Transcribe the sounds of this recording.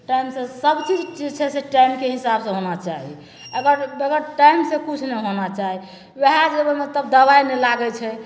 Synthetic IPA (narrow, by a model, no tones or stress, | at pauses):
ʈaimsẽsəbt͡ʃit͡ʃid͡ʒt͡ʃʰɛseʈaimkeɦisabsə̃ɦonat͡ʃaɦḭ | əɡəɾeɡəɾʈaimsẽkut͡ʃʰnɛɦonat͡ʃaɦi | weɦad͡ʒebemet̪əb̚d̪əbainɛlaɡɛt͡ʃʰɛ